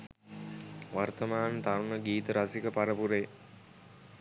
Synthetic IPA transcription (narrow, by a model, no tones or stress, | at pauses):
ʋart̪əmaːnt̪aɾunəɡiːt̪əɾasikəpaɾəpuɾe